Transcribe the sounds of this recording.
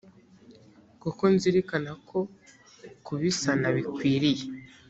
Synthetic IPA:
kukonziɾikanakʰo̞ | kuβisanaβikwiːɾije

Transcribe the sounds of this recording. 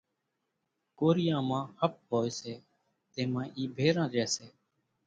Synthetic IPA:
koːɾɪjãːmãːhəp̚ɦoːeːseː | t̪eːmãːʔiːbʱeːɾãːɾeːseː

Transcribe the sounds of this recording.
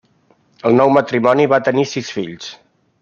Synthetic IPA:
əlˠnɔwmət̪ɾimɔniβat̪ənisisfiʎs

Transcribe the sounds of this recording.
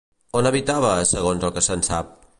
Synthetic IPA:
onəβit̪aβəsəɣ̞onzlˠkəsənsap̚

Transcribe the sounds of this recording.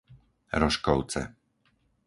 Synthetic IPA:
ɾɔʃkɔʊt͡sɛ̰

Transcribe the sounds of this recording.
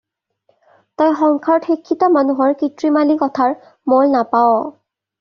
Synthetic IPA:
tɔjxɔŋkʰaɹɔtxikʰːitɔmanuɦɔɹkitɹimalikɔtʰaɹ | mɔlnapaɔ

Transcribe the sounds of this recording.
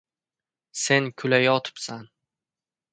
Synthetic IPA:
se̞nkʰʊlajɒt̪ʰɪ̥psan

